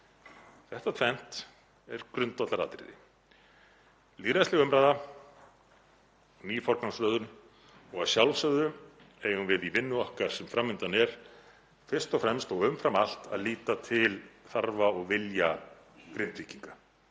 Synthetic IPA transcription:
θɛht̪at̪ʰvɛn̥t̪ | ɛɾ̥kɾʏnt̪vat̪laɾa̰ːt̪ɾɪ̰ðɪ̰ | liːɾast̪ɪɣʏmɾaːjða | niːfɔɾkansɾœːðʏn | ɔɣaðsjawlsœɣðʏ | eːjɣʏmvɪðivɪnːʏɔhkaɾ̥sɛmfɾamːɪnt̪anɛɾ̥ | fɪr̥st̪ɔfɾɛmst̪ɔɣʏmfɾamal̥t̪a̰ðliːt̪at̪ʰɪlθaɾvaɔɣvɪlja | kɾɪnt̪viciŋka

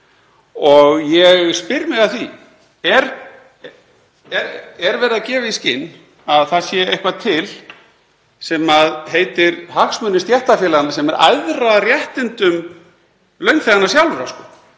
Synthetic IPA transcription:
ɔɣjɛɣspɪɾmɪɣaðθi | ɛɾ | ɛɾɛɾvɛːɾɪðacɛːvɪiscɪnː | aðθaðsjɛehkvat̪ʰɪl | sɛmaðɦeːjt̪ɪɾhaksmœnːɪst̪jɛht̪afjɪːlaɣnasɛmɛɾʔa̰jðraðrjɛht̪ɪnt̪ʏm | lœɥnŋkfeanasjawlɾaskɔ

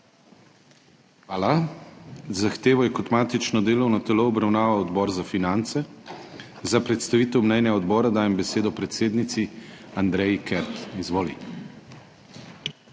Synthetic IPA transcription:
xaːla | zaxt̪eːʋɔjɛkɔt̪maːt̪it͡ʃnɔd̪eːlɔwnɔt̪ɛloɔbɾawnaːʋawɔd̪bɔːɾzafinant̪sɛ | zapɾɛt̪st̪aʋiːt̪ɛwmnɛjnɛɔd̪bɔːɾad̪aːjɛmbɛseːd̪ɔpɾɛt̪seːd̪nit̪siand̪ɾɛjkɛɾt̪izʋoːlḭ

